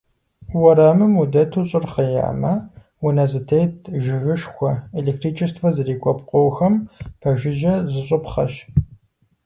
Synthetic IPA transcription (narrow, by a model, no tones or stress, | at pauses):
wɐɾaːmɨmudɐtʰuɕʼɪrχɐja̰ːmɐ | unɐzɨtʰeːtʰʒɪɣɨʃxʷɔelek̚tʰriːt͡ʃʰʼɪstʰwɐzɨriːkʷʼɔpqʷʼowxɐmpʰɐʒɪʒɐzɨɕʼɨpχɐʃ